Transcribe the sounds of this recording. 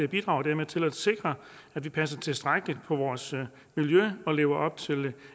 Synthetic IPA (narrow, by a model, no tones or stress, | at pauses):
eɐb̥id̥ʁɑ̈ʊd̥æɐmeðˠt͡sʰe̝læd̥se̝ɡ̥ʁɐ | æd̥ʋipʰæsɐt͡sʰe̝lsd̥ʁaɡ̥əlid̥̚pʰɒ̽ʋɒːs | miljøɒ̽le̝ːʊɐʔɒ̽b̥̚t͡sʰe̝l